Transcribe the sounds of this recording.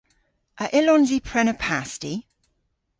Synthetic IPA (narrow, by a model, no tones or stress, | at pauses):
ʔəʔɪlɔ̃nzipʰɹ̥ɛnəpʰasti